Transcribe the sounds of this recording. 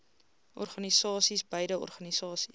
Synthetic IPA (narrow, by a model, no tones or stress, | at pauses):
ʔɔ̰rχɐnisɑːsisbəjdəɔ̰rχɐnisɑːsi̥s